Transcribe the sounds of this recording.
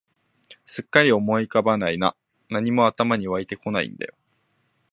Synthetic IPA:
sɨkːaɾʲio̞mo̞ikabanaina̰ | naɲ̟imo̞at̪amaɲ̟iβait̪e̞ko̞naḭ̃nd̪a̰jo̞

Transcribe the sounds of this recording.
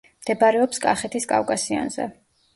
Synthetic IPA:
md̪̥ɛbaɾɛɔpskʼaχɛt̪ʰiskʼa̰wkʼasia̰nzɛ̰

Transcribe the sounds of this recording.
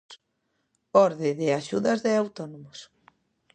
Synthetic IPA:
ɔɾðɪðɪaʃuðɐzðɪawt̪ɔnomʊs

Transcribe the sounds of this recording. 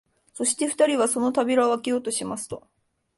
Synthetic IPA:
so̞ɕi̥t̪e̞ɸɯ̟̥t̪aɾʲiβaso̞no̞t̪abʲiɾaβakʲijo̞ːt̪o̞ɕimasɨ̥t̪o̞

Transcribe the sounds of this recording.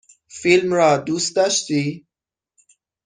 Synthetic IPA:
filmɾɒːd̪uːst̪̚d̪ɒːʃt̪i

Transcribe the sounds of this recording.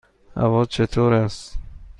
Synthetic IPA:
a̰vɔzt͡ʃʰet̪ʰoɾas

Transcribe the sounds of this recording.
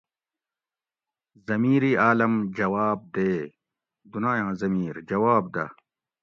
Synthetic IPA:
zɐmiːɾiːaːlɐmd͡ʑɐwaːb̚d̪eː | d̪unãːjãːzɐmiːɾd͡ʑɐwaːbd̪a̰ː

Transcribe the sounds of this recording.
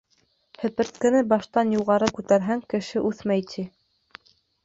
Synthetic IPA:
hɘ̆pɘ̆ɾt̪̚kɘ̆nɘbɑʃt̪ɑnjuʁɑɾɤkʉt̪æɾɦæŋkɘ̆ʃɘʔʉθmæjt̪ʰi

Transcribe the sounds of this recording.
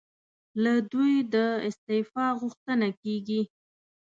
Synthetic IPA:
lad̪ujd̪əɪst̪ɪfɑɣʊxt̪ənakeɡi

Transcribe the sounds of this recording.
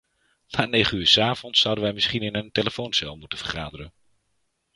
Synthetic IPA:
naːnejχənyːɹsaːvɔntsʌwdənʋɛjmɪsχinɪnənteləfownsɛlˠmutənv̥əɹχaːdərən

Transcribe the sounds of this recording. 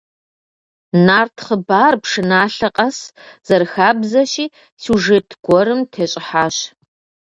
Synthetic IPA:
naːrtʰχəbaːrpʰʂɨnaːɬɐqʼɐsz̥ɐrxaːbzɐʃiː | suʐɨtʰɡʷɔɾɨmtʰeːɕʼɪħaːɕ

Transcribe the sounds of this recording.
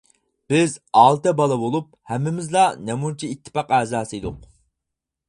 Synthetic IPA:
b̥ɪzɑːlˠt̪ɛbɑlˠɑbolˠup̚ | hɛmːɪmɪzlˠɑnɛmunt͡ʃʰiit̪ʰːɪ̥pɑqæːzɑːsɨd̪ʊq

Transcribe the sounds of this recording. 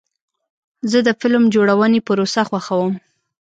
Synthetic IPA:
zəd̪əfɪlmd͡ʒoɽawənepəɾosaxwaxawəm

